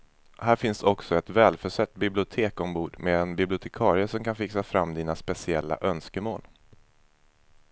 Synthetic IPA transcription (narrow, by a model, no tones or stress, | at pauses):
hæːɾfɪnsɔksɔɛt̪vɛːlfœʂɛt̪ːbɪblɪʊt̪ʰeːkɔmbuːɖmeːɛnbɪblɪʊt̪ʰɛkʰɑːɾɪəsɔmkanfɪksafɾamːd̪iːnaspɛsɪɛlːa̰ʔœnskəmoːl